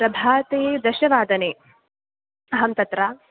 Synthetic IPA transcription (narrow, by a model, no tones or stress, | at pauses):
ɾɐbʱaːt̪eːd̪ɐʃɐʋaːd̪ɐneː | ɐɦɐmt̪ɐt̪ɾaː